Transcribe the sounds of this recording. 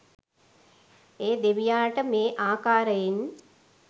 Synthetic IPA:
eːd̪eʋijaːʈəmeːʔaːkaːɾəjin

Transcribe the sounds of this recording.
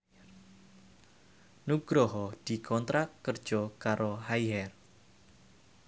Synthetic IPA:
nuɡ̥ɾɔɦɔd̪̥i̤kʰɔnt̪ɾakːərd̥ʒ̥ɔkaɾʔoɦajɦɛr

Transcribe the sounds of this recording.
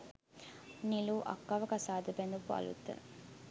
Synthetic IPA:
niluʔɐ̰kːɐʋɐkɐsaːd̪upend̪upuɐ̰lṵt̪ːə̰

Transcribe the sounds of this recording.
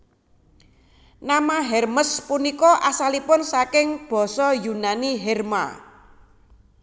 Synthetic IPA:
namaɦɛrməspunikɔʔasalipʊnsakɪŋb̥ɔ̤sɔjunaniɦɛrma̰

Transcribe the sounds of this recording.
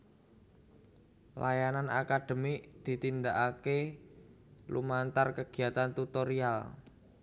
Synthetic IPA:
lʔajanana̰kad̪̥ə̤miʔd̪̥i̤t̪ind̪aʔake | lṵmant̪arkəɡ̥i̤at̪ant̪ut̪oɾial

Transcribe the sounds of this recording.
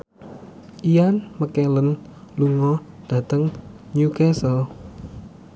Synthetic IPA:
ʔijanməkɛlənluŋɔ | d̥ä̤t̪əŋ | ɲukɛsɔ

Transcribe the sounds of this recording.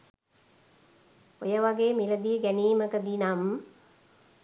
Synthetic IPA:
ojəʋaɡeːmiləd̪iəɡæniːməkəd̪inam

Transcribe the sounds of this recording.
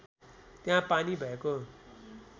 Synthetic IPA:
t̪jãpanibʱʌeko

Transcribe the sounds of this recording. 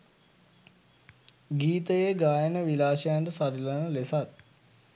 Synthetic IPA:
ɡiːt̪əjeɡaːjənəʋilaːʃəjaɳɖəsaɾilanəlesat̪̚

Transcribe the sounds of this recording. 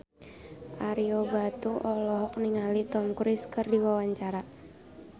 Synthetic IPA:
ʔaɾiobat̪uʔɔlɔɦɔk̚niŋalit̪ɔŋkuɾɪskɨrdiwawaɲt͡ʃaɾa

